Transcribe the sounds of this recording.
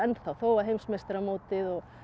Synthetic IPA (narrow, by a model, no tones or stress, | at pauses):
ɛnθawθoːwaɦejmsmɛst̪ɾamoːt̪ɪðɔ